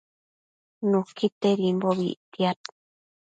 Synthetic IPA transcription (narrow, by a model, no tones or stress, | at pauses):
nukʰit̪eɾimboβḭt̪iat̪